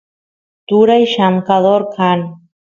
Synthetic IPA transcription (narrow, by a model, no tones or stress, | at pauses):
t̪uɾajʃamkaðoɾkʰan